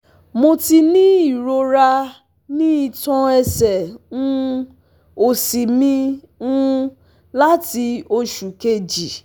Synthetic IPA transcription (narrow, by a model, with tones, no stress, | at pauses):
mo˧ti˧nĩ˦i˦˨ɾo˧ɾa˧ | nĩ˦i˦˨tɔ̃˧ɛ˧sɛ˨ũ˦˧ | o˨si˨mĩ˧ | ũ˦ | la˦ti˧o˧ʃu˨ke˧d͡ʒi˨